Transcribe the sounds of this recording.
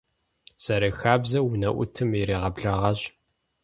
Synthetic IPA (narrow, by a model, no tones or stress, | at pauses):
z̥ɐɾeːxaːbzɐwʊnɐʔʷʊ̰tʰɨmiɾiːʁɐbɮɐʁɐɕ